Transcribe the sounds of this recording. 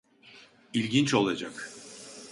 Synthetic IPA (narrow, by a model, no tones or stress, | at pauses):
ilʲɟint͡ʃo̞lˠad͡ʒak